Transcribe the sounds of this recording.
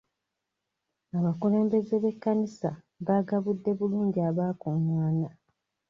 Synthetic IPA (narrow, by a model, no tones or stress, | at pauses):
aβakule̞ːmbe̞zeβe̞kːanisa | βaɡaβudːe̞βuluːɲɟiaβaːkumwaːna